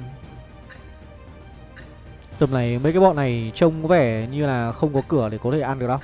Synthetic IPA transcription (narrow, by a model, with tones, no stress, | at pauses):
t̪ə˨˩mna˨˩jmə˨˦jkaː˨˦jɓɔ̰˧˨na˨˩jt͡ɕə˧wŋ͡mkɔ˨˦vɛ˧˩ɲɨ˧laː˨˩xə˧wŋ͡mkɔ˨˦kɨ˧˩əɗe˧˩kɔ˨˦t̪ʰe˧˩ʔa˧nɗ̚ɗɔ˨˧˦